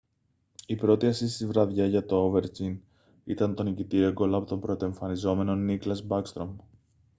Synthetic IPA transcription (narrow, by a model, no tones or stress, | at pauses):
ipɾo̞t̪iɐsist̪izvɾɐðʝɐʝɐt̪o̞ove̞ɾcin | ḭt̪ɐnt̪o̞nicit̪ieɡo̞lɐpot̪o̞mpɾo̞t̪e̞ɱfɐnizo̞me̞no̞niklɐsbɐkst̪ɾo̞m